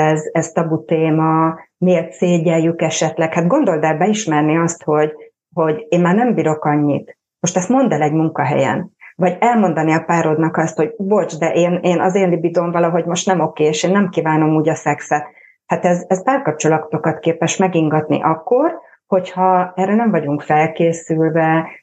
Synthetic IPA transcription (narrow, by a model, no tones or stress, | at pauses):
ɛzɛz̥t̪ɒbut̪eːmɒmieːrt̪seːɟɛjːykɛʃɛt̪lɛkhaːt̪ɡo̞nd̪o̞ld̪ɛlbɛiʃmɛrniɒst̪ho̞ɟ | ho̞ɟeːnmaːrnɛmbiːɾo̞kɒɲːit̪ | mo̞ʃt̪ɛst̪mo̞nd̪ɛlɛɟmuŋkɒɦɛ̰jɛ̰nvɒɟɛlmo̞nd̪ɒniɒpaːɾod̪nɒkɒst̪ho̞ɟbort͡ʃd̪ɛʔeːneːnɒzeːnlibid̪o̞mvɒlɒɦo̞ɟmo̞ʃt̪nɛmo̞keːeːʃeːnːɛmkiːvaːno̞muːɟɒsɛksɛt̪ | hat̪ɛzɛspaːrkɒp̚t͡ʃolɒt̪o̞kɒt̪keːpɛʃmɛɡiŋɡɒt̪nḭʔɒkːo̞r | ho̞chɒɛrːɛnɛɱvɒɟuŋkfɛlkeːsylvɛ